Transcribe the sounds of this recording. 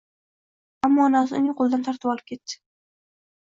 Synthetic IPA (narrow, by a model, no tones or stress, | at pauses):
amːɒːnasɪʊ̰nɪŋqʰolˠd̪ant̪ʰaɾt̪ʰɪpɒlˠɪp̚kʲʰe̞t̪t͡ʃɪ̥